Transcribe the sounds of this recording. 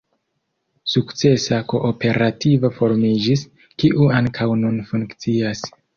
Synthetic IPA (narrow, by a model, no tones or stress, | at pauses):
sukt͡se̞sako̞ʔope̞ɾʔativofo̞ɾmid͡ʒis | kiʔuaŋkʰawnunfuŋkt͡sias